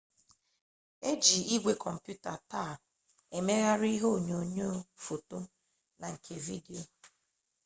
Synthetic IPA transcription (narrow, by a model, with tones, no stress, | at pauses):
e˦d͡ʒi˨i˦ɡʷe˨kʰɔ˨m̩˨pju˦ta˨ta˦˨ | e˨me˦ɣa˦ɾi˦ɦo˦˨ɲo˨ɲo˦fo˨to˦ | na˨ŋ̩˨kʰe˨vi˦di˨o˨